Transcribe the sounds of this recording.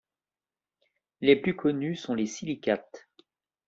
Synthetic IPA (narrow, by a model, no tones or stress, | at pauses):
leplykʰɔnysɔ̃lesilikat̪